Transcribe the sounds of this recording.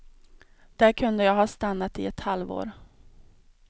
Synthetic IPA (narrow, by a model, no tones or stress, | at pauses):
d̪̥æɾkʰɵnd̪əjɑːɡɦɑːst̪anːat̪ɪ̰ɛt̪halvo̰ːɾ